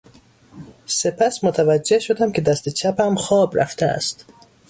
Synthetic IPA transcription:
se̞pʰæsmot̪ʰævæd͡ʒːe̞hʃod̪æmkʰʲe̞d̪æst̪e̞t͡ʃʰæpæmxɒːbɾæ̰ft̪ʰeæ̰st̪

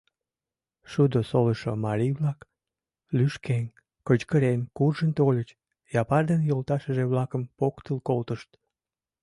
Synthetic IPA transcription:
ʃud̪osoləʃo̰mɑɾiβlɑk | lyʃken | kət͡ɕkəɾenkurʒənt̪olʲət͡ɕ | jɑpɑrd̪enjolt̪ɑʃəʒeβlɑkəmpokt̪əlkolt̪əʃt̪

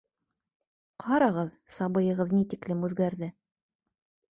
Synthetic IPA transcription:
qʰɑɾɑʁɤðsɑbɤ̆jɤ̆ʁɤðnit̪iklɘmʉðɡæɾðɘ

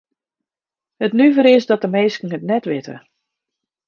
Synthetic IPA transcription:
hətnyvəɾɪsdɔt̚əmejskəŋ̩ətnɛtʋɪtʰə̰

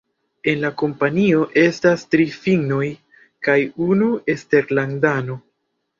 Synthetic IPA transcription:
e̞nlako̞mpanio̞ʔe̞stastɾifiɡno̞j | kajunue̞ste̞ɾlandano̞

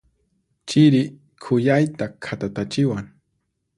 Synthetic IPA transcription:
t͡ʃɪɾɪ | kʰʊjajt̪akʰat̪at̪at͡ʃɪwaŋ

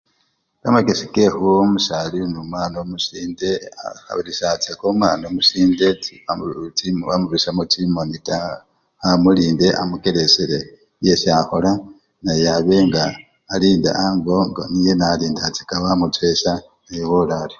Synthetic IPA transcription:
kamakesikehuomusalinumwaːnomusiːnde̞a̰xa̰βiɾisat͡sekomwanomusiːnde̞ | βamuɾusamutimonita | amuliːnde̞ʔa̰mukeɾeseɾe̞ | jesiahola | najaβe̞ŋɡaː | liːnda̰ʔaŋɡoŋɡanijenaliːndat͡si̥kaβamutwesa | ejowolali

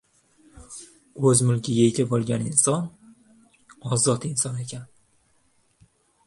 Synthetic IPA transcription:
ɵzmʊlˠkʲʰɪjʲeɡʲabolˠɡʲanɪnsɒn | ɒzɒt̪ɪnsɒnekʲʰan

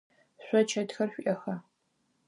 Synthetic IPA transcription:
ɕʷɔt͡ʃʰɐtxɐrɕʷʔʲɐxɐ

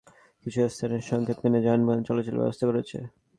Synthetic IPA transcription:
kit͡ɕʰuest̪ʰaneɾʃɔŋkʰet̪kened͡ʑanbont͡ɕɔlat͡ɕelbɛ̰bost̪ʰakoɾet͡ɕʰḛ

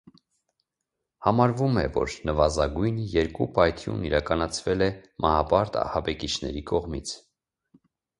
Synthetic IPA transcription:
hɑmɑɾvumɛvɔ̰ɾnəvɑzɑɡujnjɛɾkupɑjt̪ʰjṵniɾɑkɑnɑt͡sʰvɛlɛmʔɑhɑpɑɾt̪ɑ̰hɑbɛkit͡ʃʰnɛ̰ɾikɔʁmit͡sʰ

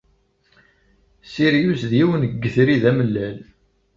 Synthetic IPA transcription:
siɾjusðjiwənəɡːəθɾiðæməlːæl

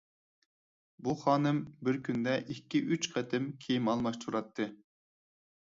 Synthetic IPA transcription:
buχɑːnɨmbɪɾkʲʰynd̪ɛʔikʲːiʔyt͡ʃqʰɛt̪ʰɪmkʲʰejimɑlˠmɑʃt̪ʰuɾɑt̪ʰːɨ

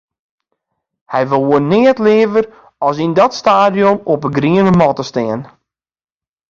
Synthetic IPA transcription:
hɛjʋɪlˠʋuənːɪətlɪəvər | ɔs̬indɔtstaːdjomɔpəɡriənəmɔtəstɪːən

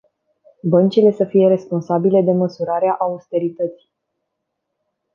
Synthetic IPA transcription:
bənt͡ʃile̞səfije̞ɾe̞spo̞nsabile̞d̪e̞məsuɾaɾeaʔaust̪e̞ɾit̪ət̪si̥j

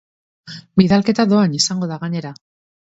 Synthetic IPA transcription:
biðalke̞t̪aðo̞anisaŋɡo̞ðaɣaɲe̞ɾa

